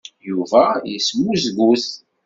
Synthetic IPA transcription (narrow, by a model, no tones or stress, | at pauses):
juvæjəsmuzɡuθ